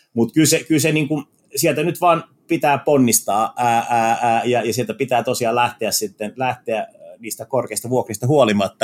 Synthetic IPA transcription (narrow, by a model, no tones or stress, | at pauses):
mut̪kylsekylseniːŋkun | siɛlt̪ænyt̪ʋɑːn | pit̪æːponːist̪ɑːæːææːjɑjɑsielt̪æpit̪æːt̪osiɑːlæht̪eæssit̪ːenlæht̪eæniːst̪ækorkeist̪ɑʋuokrist̪ɑhuolimɑt̪ːɑ